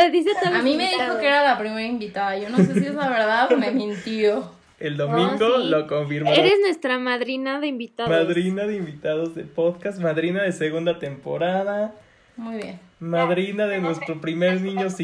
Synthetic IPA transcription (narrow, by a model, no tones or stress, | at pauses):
ðiset̪oðamĩmeðiaðxokeeɾalapɾimeɾaimbit̪aðaʝonosesiezlaβeɾðaðomemĩnt̪jo | eld̪omĩŋɡolokoɱfiɾmaeɾeznwe̞st̪ɾamaðɾinaðeimbit̪aðmaðɾinaðeimbit̪aðozðepoðkast̪maðɾinaðeseɣund̪at̪empo̞̰ɾaða | mujβjḛnmaðɾinaðenwe̞st̪ɾopɾimeɾnĩɲos